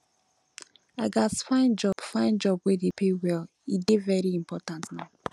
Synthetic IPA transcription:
aɡasfãɪ̃nd͡ʒɔb̥fãɪ̃nd͡ʒɔb̚wedepʰewɛl | idevɛɾiimpɔtãntna

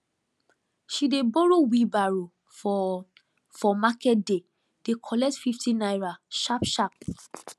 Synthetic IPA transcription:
ʃidebɔɹowibaɹo | fɔmakɛt̚de | d̥ekʰɔlɛk̚tfiftʰĩnajɹaʃapʃap̚

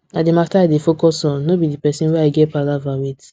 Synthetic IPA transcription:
ademastaadefokɔsɔ̃nobidipɛsĩnweaɪɡɛpalavawit

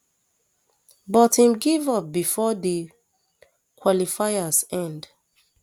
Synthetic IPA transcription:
bɔtĩmɡivɔp̚bifɔde | kʰwɔlifajasɛ̃nd

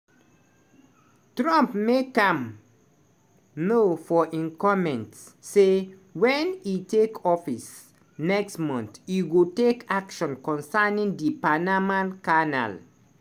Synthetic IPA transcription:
tɹãmpmekãm | nofɔʔĩnkɔmɛ̃ntsːewɛ̃nitekʰɔfis | nɛkstmɔ̃ntjiɡutekakʃɔ̃nkɔ̃nsanĩŋdipanamãnkana̰l

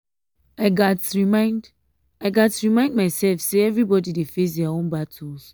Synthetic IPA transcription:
aɪɡatɹimãɪnd | aɪɡatɹimãɪ̃nd̚maɪsɛlfseɛvɹibɔdidefes̬dɛaõnbatʰuls

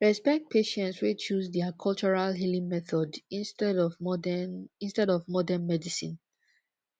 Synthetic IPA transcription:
ɹɛspɛk̚t̚pʰeʃɛ̃ntswet͡ʃusdɛakʰɔlt͡ʃɔɹalɦilĩŋmɛθɔdtɛ | ĩnstɛdɔvmɔdɛ̃nmɛdisḭ̃n

